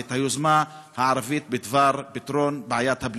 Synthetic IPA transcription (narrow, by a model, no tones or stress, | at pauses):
t̪hajuzmahaʕaɾˤavit̪̚bid̪vaɾbit̪ɾonbeʕajat̪habl